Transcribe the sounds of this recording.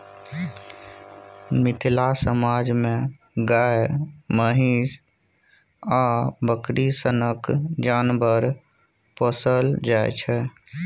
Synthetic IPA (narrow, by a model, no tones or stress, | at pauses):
mɪt̪ʰlasəmaːd͡ʒmẽ | ɡaːeməɦiːs | abəkɾisənəkd͡ʒaːnbəɾ | pəsəld͡ʒaːḛt͡ʃʰɛ